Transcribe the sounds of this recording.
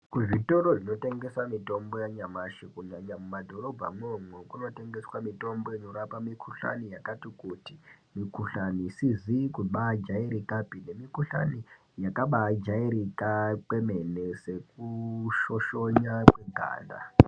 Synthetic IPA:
kuʐito̞ɾoʐino̞te̞ŋɡe̞samito̞mbo̞jaɲamaʃikuɲaɲamumadʱo̞ɾo̞bʱa̰mwomwekuno̞te̞ŋɡe̞swamito̞mbo̞ino̞ɾapamikʰuɬa̰nijakatikuti | mikuɬanisizikuɓad͡ʒaiɾikapine̞mikuɬa̰ni | jakaɓad͡ʒaiɾikake̞me̞nese̞kuʃo̞ʃo̞ɲakweɡʱa̰ːnda̰

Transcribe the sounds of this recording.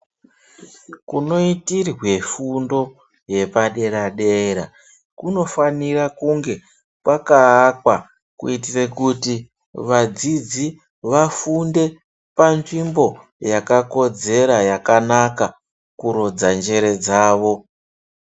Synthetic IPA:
kuno̞itirwe̞fundo̞ | je̞paɗe̞ɾaɗeɾa̰ | kuno̞fanirakuŋɡe̞ | pwakaːkwa | kuitirekuti | ʋad͡zid͡zi | ʋafunde̞ | panʐimbo̞jakako̞d͡ze̞ɾajakanaka | kuɾod͡zand͡ʒe̞ɾe̞d͡zaːʋo̞

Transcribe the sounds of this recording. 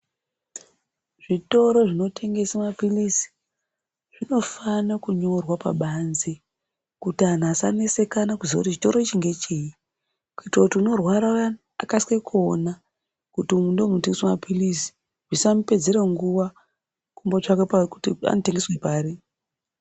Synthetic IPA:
ʐ̥ito̞ɾo̞ʐino̞tʰe̞ŋɡe̞samapilisi̥ | ʐ̥ino̞fanakuɲo̞rwapa̰ɓanze | kutian̤asane̞se̞kanakuzoutit͡ʃi̥to̞ɾo̞it͡ʃiŋɡe̞t͡ʃeji | kuitrakutiuno̞rwaɾa | a̰kaskwekʰona | kutiumundomnoteŋɡeswamapʰilisi̥ | ʐisampe̞d͡ze̞ɾeŋɡuʋa | kumbot͡ʃakepakutia̰note̞ŋɡe̞swe̞paːri

